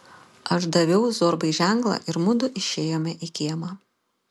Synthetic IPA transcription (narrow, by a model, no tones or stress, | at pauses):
ɐʃd̪ɐʋʲɛʊzoːɾbɐɪʒʲæˑŋklˠɐ̰ʔɪɾmʊd̪ʊʔɪʃʲeːjoːmʲɛʔikʲiɛmɑ